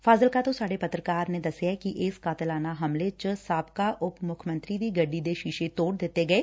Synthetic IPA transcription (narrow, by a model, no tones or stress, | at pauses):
faːzəlkat̪osaːɽepɐt̪ɾəkaːɾnẽd̪ɐsjakiʔeːskaːt̪əlaːnaɦɐmlet͡ʃsaːpkaʔʊpmʊkʰjmə̃nt̪ɾid̪iɡɐɖːid̪eʃiːʃet̪oːɽd̪eːt̪eɡɐeː